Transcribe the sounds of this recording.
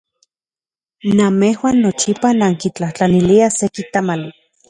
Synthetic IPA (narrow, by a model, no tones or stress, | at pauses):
namehwaːnːot͡ʃipanaŋkit͡ɬaht͡ɬaniliasekit̪amali